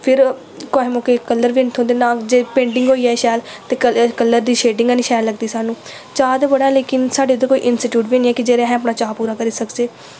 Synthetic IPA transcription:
pʰɪɾ | koːɦemõːkeːkəlːəɾʋiːnt̪ʰõːd̪eːnaːd͡ʒeːpẽːɳɖɪŋɡɦoːiːɛːʃɛːlt̪eːəkəlːəɾd̪iːʃeːɖɪ̃ŋɡːniːʃɛːlːəɡd̪iːsaːnũː | t͡ʃaːd̪ebəɽaːɛleːkɪnsaːɖeːd̪ekoːiːʔɪnsiʈjuːʈbiːniːɛːkɪd͡ʒeːɾeɦɛ̃ːəp̬naːt͡ʃaːpuːɾaːkəɾiːsəkd͡ʒeː

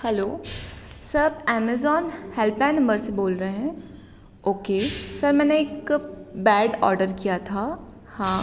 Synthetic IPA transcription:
hɛloː | sɐɾbɛːmezɔːnhɛlpɛ̃nːɐ̃mbəɾseboːlɾəɦeɦɛ̃ː | oːkesɐɾmɛ̃ːneːkbɛːɖɔ̰ːɾɖəɾkijat̪ʰaː | hãː

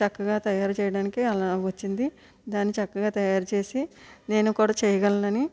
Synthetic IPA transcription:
t͡ʃɐkːɐɡaːt̪ɐjaːɾut͡ʃɛːjɐɽaːnikiɐlaʋɐt͡ʃːind̪i | d̪aːnːit͡ʃɐkːɐɡaːt̪ɐjaːɾut͡ʃe̞ːsine̞ːnukuːɽaːt͡ʃɛːjɐɡɐlnɐni

